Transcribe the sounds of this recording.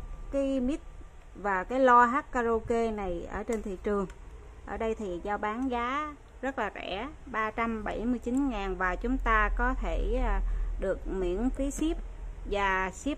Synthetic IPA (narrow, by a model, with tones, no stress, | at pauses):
kaː˨˦jmi˦˥t̚ | vaː˨˩kaː˨˦jlɔ˧ɦaː˦˥k̚kaː˧zo˧ke˧na˨˩jʔə̰ː˧˩t͡ɕe˧nt̪ʰḭ˧˨t͡ɕɨ˨˩əŋ | ʔəː˧˩ɗə˧jt̪ʰi˨˩zaː˧wɓaː˨˦nɣaː˨˦ | zə˦˥t̚laː˨˩zɛ̰˧˩ɓaː˧t͡ɕa˧mɓə˧˩jmɨ˧jt͡ɕi˨˦nŋaː˨˩nvaː˨˩t͡ɕʊ˨˦ŋ͡mt̪aː˧kɔ˨˦t̪ʰe˧˩˧ | ɗɨ˨˩ək̚mḭ˧˥ənfi˨˦si˦˥əp̚vaː˨˩si˦˥p̚